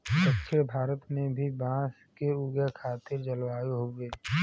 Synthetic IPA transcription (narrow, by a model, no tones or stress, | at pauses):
kəkʃʰebʱaːɾət̪mẽbʱibãːskeuːɡekʰaːt̪ɪɾd͡ʒəlwaːiɦoɡeː